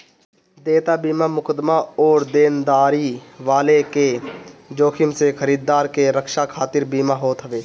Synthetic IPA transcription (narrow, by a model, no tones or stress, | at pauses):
d̪eːt̪abiːmamʊkəd̪maɔːɾd̪eːnd̪aːɾiʋaːleked͡ʒoːkʰɪmsekʰəɾiːd̪ːaːɾkeɾəkʃakʰaːt̪ɪɾbiːmaɦoːt̪ɦəʋeː